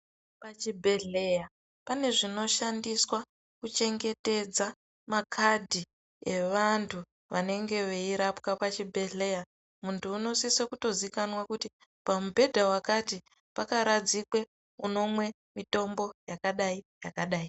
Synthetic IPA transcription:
pat͡ʃibʱe̞ɮe̞ja | pane̞ʐino̞ʃandiswa | kut͡ʃe̞ŋɡe̞te̞d͡za | makʰadʱi | e̞ʋantʰu | ʋane̞ŋɡe̞ʋeiɾapkapat͡ʃibʱe̞ɮe̞ja | muntʰuːno̞sisekuto̞zikanwakuti | pamubʱe̞dʱawakati | pakaɾad͡zikwe̞ | uno̞mwe̞ | mito̞mbo̞jakaɗaijakaɗaːi

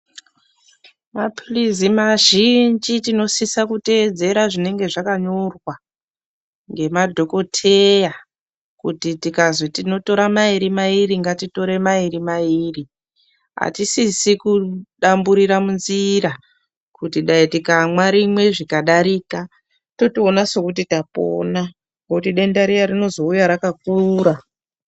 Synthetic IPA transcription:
maplizimaʒind͡ʒitino̞sisakute̞d͡ze̞ɾaʐine̞ŋɡe̞ʐakaɲorwa | ŋɡe̞madʱo̞ko̞tʰe̞ja | kutitikazotino̞to̞ɾamaiɾimairiŋɡatito̞ɾe̞maiɾimaiːri | ɦa̰tisisikuɗambuɾiɾamunziɾa | kutiɗaitikamwaɾimwe̞ʐikaɗaɾika | to̞tionaso̞kut̬itapo̰na | ŋɡokutiɗe̞ndaɾijaɾino̞zo̞ujaɾakakuɾa

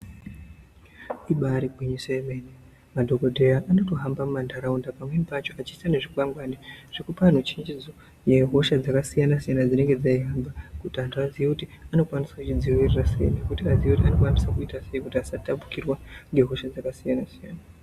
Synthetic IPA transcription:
iɓaɾiɡʱwiɲisoemene | madʱo̞ko̞dʱe̞jaʔːno̞to̞ɦambamumandʱaɾaundapamwenipat͡ʃo̞at͡ʃiːsane̞ʐikwaŋɡwaniʐ̥ekupan̤ut͡ʃiɲd͡ʒid͡zo | je̞ɦo̞ʃad͡zakasijanasijanad͡zine̞ŋɡe̞d͡zaiɦambakutiantʰuaziekutiano̞kwanisakut͡ʃid͡ziwirirasḛjḭnekutiazieutiano̞kwanisakuitaseikutiasatapu̥kirwaŋɡe̞ɦo̞ʃad͡zakasijanasijaːna

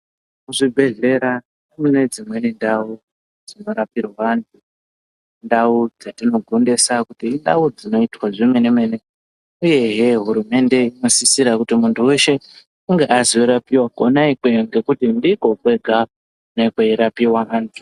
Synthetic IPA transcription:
kuʐibʱe̞ɮe̞ɾa | nemune̞d͡zimwe̞nendau | d͡zino̞ɾapirwaʋantʰu | ndaud͡zatino̞ɡʱonde̞sakutiːndaud͡zino̞itwaʐime̞ne̞me̞ne | uje̞ɦeɦuɾume̞nde̞ino̞sisiɾakutimuntʰuwe̞ʃe̞ | uŋɡe̞ʔaziweɾapiwakonaikwejoŋɡe̞kutindiko̞kwe̞ɡʱa | unekweiɾapiwaʔaːntʰu̥

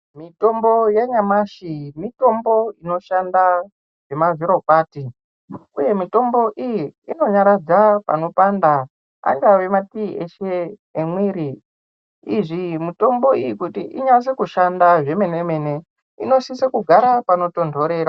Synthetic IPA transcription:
mito̞mbo̞jeɲamaʃimito̞mbo̞ino̞ʃanda | ʐe̞maviɾo̞paːti | uje̞mito̞mbo̞ʔijiino̞ɲaɾad͡zapa̰no̞panda | a̰ŋɡawe̞matiːʔeʃeː | mwiɾi | iʐimito̞mbo̞iikutiʔiɲas̬ekuʃandaʐe̞me̞neme̞ne̞ | ḭno̞sisekuɡʱaɾapano̞to̞ndʱo̞ɾe̞ːɾa

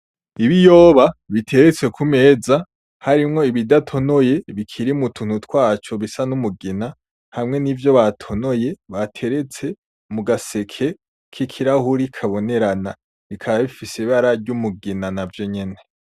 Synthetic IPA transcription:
iβijo̞ːβaβitʰe̞ɾet͡se̞kʰume̞ːza | haɾimŋo̞iβidatʰo̞no̞je̞βikʰiɾimutʰun̥hutwaːt͡ʃo̞βisanumuɡina | hamŋe̞nivjo̞βatʰo̞no̞je̞βatʰe̞ɾe̞t͡se̞ | muɡase̞kʰe̞ | kʰikʰiɾahuɾikʰaβo̞ne̞ɾana | βikʰaβaβifisiβaɾaɾɟumuɡinanavjo̞ɲe̞ne̞

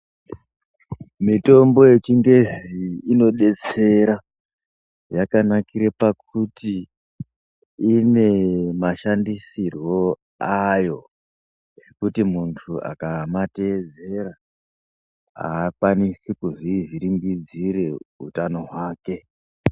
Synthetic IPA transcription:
mito̞mbo̞je̞t͡ʃiŋɡe̞ʐiːno̞ɗe̞t͡se̞ɾa | jakanakiɾepak̚uti | ne̞maʃandisirwo̞ | ajo̞ | ʐe̞kutimuntʰua̰kamate̞d͡ze̞ɾa | a̰ːkwanisikuʐiʐiɾiŋɡid͡ziɾe̞ɦṵtano̞ɦwaːke̞

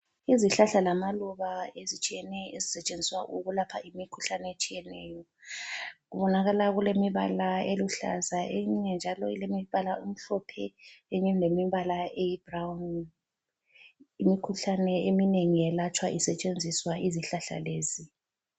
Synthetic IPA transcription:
iziɬaɬalamaluβaezit͡ʃʼijɛnɛjezisɛt͡ʃʼend͡zʱiswa̰ʔuɣulapʰa̰ʔimikʰuɬanɛet͡ʃʼijɛnɛːjɔ | ɣuβɔnaɣalaɣulemiβa̰laeluɬa̰zaʔeɲɲɛnd͡ʒʱalɔilemiβalaum̩ɬɔpʰɛeɲɛlemiβalaejib̥rawn | imikʰuɬanɛemineŋiɛlat͡ʃʰʼwaʔisɛt͡ʃʼend͡zʱiswaiziɬaɬa̰leːzi

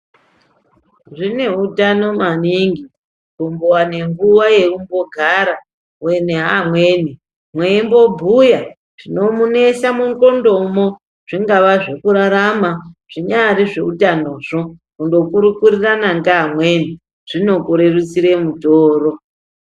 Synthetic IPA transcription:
ʐine̞utano̞maniŋɡi | kumbowane̞ŋɡuwaje̞umboɡʱaɾa | weneɦamwe̞ːni | mweimbo̞bʱuja | ʐ̥ino̞mune̞samuŋko̞ndo̞mo | ʐ̥iŋɡaʋaʐe̞kuɾaɾamaʐ̥iɲariʐe̞utano̞ʐo̞kundo̞kuɾukuɾiranaŋɡamwe̞ni | ʐ̥ino̞kuɾe̞rut͡siɾe̞mutoːɾo̞

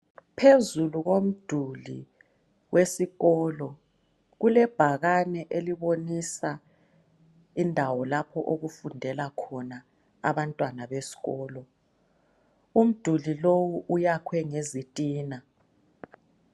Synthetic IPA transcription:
pʰezuluɣom̩d̥ʱulḭ | wesiɣɔːlɔ | ɣulɛb̥ʱaɣanɛʔeliβonisa | indʱawɔlapʰɔʔoɣufundʱɛlakʰɔna | a̰βantʼwanaβesi̥ɣɔːlɔ | um̩d̥ʱulilowuʔujakʰwɛŋezitʼiːna

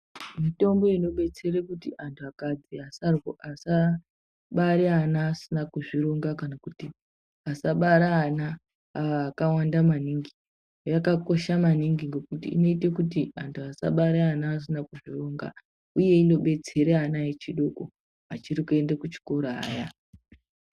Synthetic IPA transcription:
mito̞mbo̞ino̞ɓe̞t͡se̞ɾekutiʔantʰuakad͡ziasarwoʔasa | ɓaɾeanaːsinakuʐiɾoŋɡakanakuti | asaɓaɾaːnaː | kawandamaniŋɡi | ojakako̞ʃamaniŋɡiŋɡe̞kutḭḭno̞ite̞kutiantʰuasa̰ɓaɾeanaːs̬inakuʐiroŋɡa̰ | uje̞ino̞ɓe̞t͡se̞ɾeanaet͡ʃiɗo̞ko | at͡ʃirikue̞ndakut͡ʃi̥ko̞ɾoa̰ːja

